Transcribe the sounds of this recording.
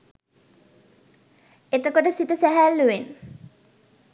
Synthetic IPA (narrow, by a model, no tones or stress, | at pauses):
et̪əkoʈəsit̪əsæɦælːuʋen